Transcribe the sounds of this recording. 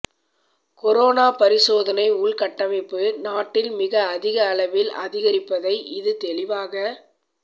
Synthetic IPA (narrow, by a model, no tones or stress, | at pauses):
kɔɾoːnaːpɐɾɪsoːðɐnɐɪʊɭkɐʈːɐmɪpːɯnaːʈːɪlmɪɣɐːðɪɣɐːɭɐʋɪlɐ̰ðɪɣɐɾɪpːɐðɐɪʔɪðɯt̪ɛɭɪʋaːɣɐ